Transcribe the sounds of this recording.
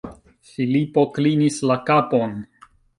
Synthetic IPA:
filipo̞klinislakapo̞n

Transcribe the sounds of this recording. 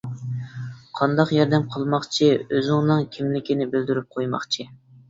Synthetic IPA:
qʰɑnd̪ɑqjɑɾd̪ɛmqʰəlˠmɑχt͡ʃʰiøzɪŋnɨŋkʲʰimlɪkʲinɪbɪld̪yɾyp̚qʰojmɑ̰χt͡ʃʰi

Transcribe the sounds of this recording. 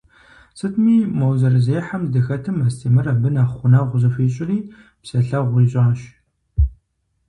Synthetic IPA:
sɨtʰmiːmɐwzɐrɨzeːħamdɨxɐtʰɨmɐstʰeːmɨrabɨnaχʷʊnaʁʷʊzɐfeːɕʼɪriː | psɐɬɐʁʷiːɕʼaːɕ

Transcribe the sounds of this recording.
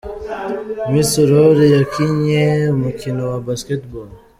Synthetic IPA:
misuɾoɾejakʰinemukʰinowabɐsket̪bo

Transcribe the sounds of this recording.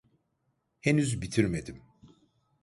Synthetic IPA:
henyzbit̪ʰiɾmed̪im

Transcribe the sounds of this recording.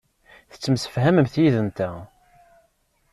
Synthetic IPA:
θə̥t͡sːəmsə̥fhæməmθjiðənt̪æ

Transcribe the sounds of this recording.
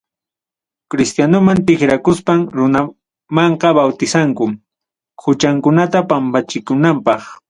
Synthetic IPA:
kɾɪst̪janʊmant̪ɪkɾakʊspaŋɾʊna | mɑɴqɑbawt̪ɪsaŋkʊ | kʰʊt͡ʃaŋkʊnat̪apampat͡ʃɪkʊnampɑχ

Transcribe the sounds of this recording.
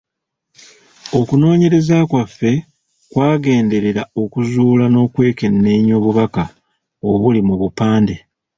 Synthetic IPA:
o̞kuno̞ːɲe̞ɾe̞zakwafːe̞ | kwaːɡe̞ːnde̞ɾe̞ɾao̞kuzuːlano̞ːkwe̞ːke̞nːe̞ːɲo̞βuβaka | o̞βulimuβupaːnde

